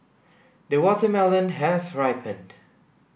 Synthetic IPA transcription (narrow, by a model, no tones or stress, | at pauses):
dəwɔtəmɛlə̃nɦɛsɹaɪpʰə̃nd̥